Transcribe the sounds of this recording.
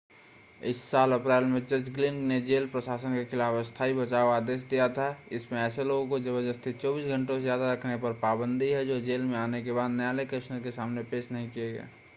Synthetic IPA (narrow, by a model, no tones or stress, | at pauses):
ɪsːaːləpɾɛːlmẽt͡ʃət͡ʃɡlɪ̃ɳɖned͡ʒeːlpɾəsaːsənkekʰɪlaːfəst̪ʰaːibət͡ʃaːoaːd̪eːʃ̬d̪ijat̪ʰaɪsmẽɛːseloːɡõkod͡ʒəbəd͡ʒəst̪ʰit̪t͡ʃɔːbiːsɡʱə̃ɳʈõsezjaːd̪aɾəkʰnepəɾpaːbə̃nd̪ʱiɦɛd͡ʒoːd͡ʒeːlmẽaːnekebaːd̪njaːlekəɪʃnəɾkesaːmnepeːʃnɐɦĩkijeɡɛ̰ː